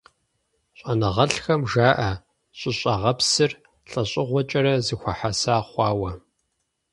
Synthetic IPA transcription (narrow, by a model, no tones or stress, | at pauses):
ɕʼɐnɐʁɐɬxɐmʒaːʔɐ | ɕʼɪɕʼɐʁɐpsɨr | ɬʼɐɕʼɪʁʷɔt͡ʃʼɐɾɐzɨxʷɐħasaːχʷɑːwɐ